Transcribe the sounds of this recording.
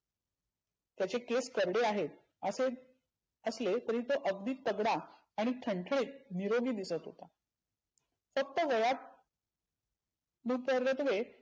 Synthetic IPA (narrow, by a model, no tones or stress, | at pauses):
t̪jat͡ɕekeskəɾɽeaɦet̪ | əse | əslet̪əɾiːt̪oʔəɡd̪iːt̪̚ːəɡɽaː | ɽ̃iʈʰəɳʈʰɽiːt̪niɾoɡiːd̪isət̪ɦo̰t̪a | fək̚t̪əʋəjat̪̚ | nupəɾət̪ʋe